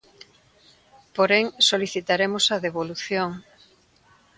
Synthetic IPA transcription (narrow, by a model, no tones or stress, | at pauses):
poɾeŋsoliθit̪aɾemosɐðeβoluθjoŋ